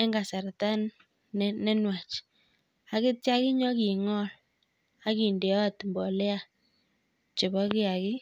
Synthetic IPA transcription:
ɛ˦ŋɡa˨sa˨rta˦nː | ɛ˦nwa˨t͡ʃ | a˨kɪ˦tja˦kɪ˦ɲɔ˦ki˨ŋɔ˦l | a˦ki˨nde˨ɔ˦a˨tmbɔ˨lɛ˦a˨ | t͡ʃɪ˨bɔ˦kɪ˦a˨kɪ˦

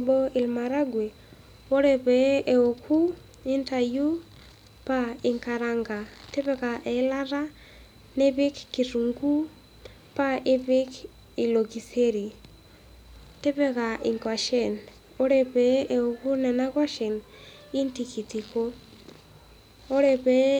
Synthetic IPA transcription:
bɔ˦i˨lma˨ɾa˦ɡwe˨ | o˦ɾɛ˨pɛ˨˦ʔe˨o˨kʰu˦ | i˦nta˨ju˦ | pa˦ɪ˨ŋka˨ɾa˨ŋɡa˨te˦βɛ˦ka˨ʔe˨˦la˦ɾa˦ | nɛ˦βɪ˦kːi˨ɾu˨ŋɡu˦ | paʔe˦βik | ilokiseɾi˨ | te˦βɛkaʔiŋkaʃɛn | o˦ɾɛβɛɛoku˦nɛ˨naɣwa˦ʃɛ˨n | i˦ntikiti˨ko | o˦ɾɛβɛ

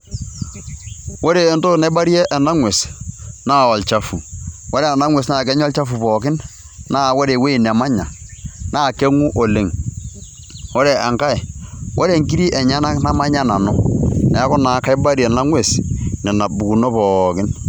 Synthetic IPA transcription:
wo˦ɾe˨nto˦na˨˦ba˦ɾjɛ˦ʔɛ˨na˦ŋwe˨snaː˦˨ɔ˨lt͡ʃa˦fu˨wo˦ɾe˦a˨na˦ŋwe˨sna˨k̬ɛ˦ɲɔ˦lt͡ʃa˦fu˨pɔ˨kɪ˦n | na˦˨wo˦ɾe˨we˦˨nɛ˨ma˦ɲa̰˨na˦˨ke˦ŋu˦ʔo˨le˨ŋ | wo˦ɾe˨a˨ŋka˦ɛ˨wʔo˦ɾe˨ŋki˦ɾi˦ʔɛ˨ɲa˦na˦kna˦ma˦ɲa˦na˨nɔ˨nɛ˨˦kɔ˦na˨ka˦i˦ba˦ɾjɛ˨na˦ŋwe˨snɛ˨na˨bu˨ku˨no˦pɔː˨kɪ˦n

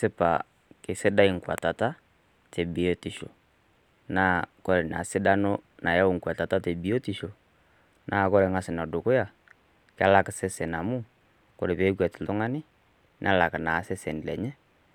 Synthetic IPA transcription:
sɪ˦pa̰˨ | kɪ˨sɪ˦da˦i˨ŋ̩˨kwa̰˨ta˨ta˦ | tɛ˨bi˨jo˦ti˨ʃo̰˨ | naː˦kɔ˦ɾɛ˨na̰˨sɪ˦da˦no˦na˨ja˦˨ŋ̩˨kwa˨ta˨ta˦tɛ˨bi˨˦o˦tɪ˨ʃo˨ | nʔa˦kɔ˦ɾɛ˨ŋa˦sɪ˨na˨do˨kʊ˦ja˨ | ka˦la˦ksɛ˦sɛ˨na˨mu˦ | kɔ˨ɾɛ˨pe˨˦kwɛ˨tɪ˨lʊ˦ŋa˦nɪ˦ | nʔa˦la˨kna˨˦sɛ˦sɛ˨n˨lɛ̰˨ɲɛ˦

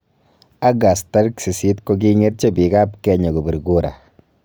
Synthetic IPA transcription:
a˦ɡa˨sta˦ɾksi˨si˦tko˦k̬i˦ŋe˦t̚t͡ʃe˦bi˨ka˦pkɛɲo˨ku˨bu˨ɾɡu˦ɾʔa̰˨

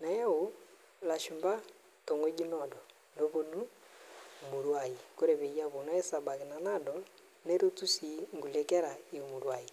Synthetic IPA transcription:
na˨ja˦o˦ | la˨ʃu˨mba˦ | to˨ŋɡo˦ɡi˦nɔdɔ˨ | ndo˦βo˦nu˦ | o˨mu˨ɾwa˨i˨ko˦ɾɛ˨βe˨ja˦βo˨na˦ɛ˦sa˨ba˨ki˨na˨na˦dɔ | ne˦ɾo˦tu˦si˨ŋɡu˨lɛ˦kɛ˦ɾa˨e˨o˨muɾwa˨i˨

